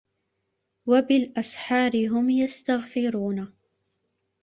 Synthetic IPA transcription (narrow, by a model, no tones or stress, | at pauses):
wabɪlʔasħɑːɾɪɦʊmjast̪aɣfɪɾuːna